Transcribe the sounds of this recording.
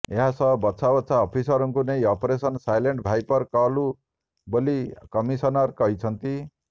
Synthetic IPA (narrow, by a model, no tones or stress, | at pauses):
eɦãsʌ̃bʌtːsʰabʌt̪ːsʰaːpʰisʌɾʌŋkunejʌpɾesʌnsajleɳʈbʱajpʌrkalu | bolikʌmisʌnʌrkʌɦit͡sʰʌnt̪i